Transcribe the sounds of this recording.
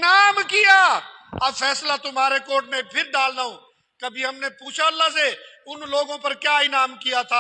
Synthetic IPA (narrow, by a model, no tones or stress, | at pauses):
naːmkijaɐbfɛːslat̪ʊmɦaːɾekoːʈmẽpʰɪɾɖaːlnaɦõː | kɐbʱiɦɐmnepuːt͡ʃʰaɐlːaɦseʊnloːɡõpɐɾkjaːɪnaːmkijat̪ʰaː